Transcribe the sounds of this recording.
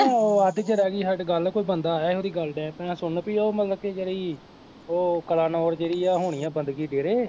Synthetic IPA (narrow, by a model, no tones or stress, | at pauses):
ãːoːəd̪it͡ʃəɾɛːɡiːɦəɖɡəlkoːiːbənd̪aːɛːeoːd̪iːɡəlɖɛ̃ːt̪ãːsʊnːpiːoːmət̪ləb̚ked͡ʒeːɽiː | oːkəlaːnɔːɾd͡ʒeːɽiːaːɦoːɽ̃ɪjãːbənd̪ɡiːɖeːɾeː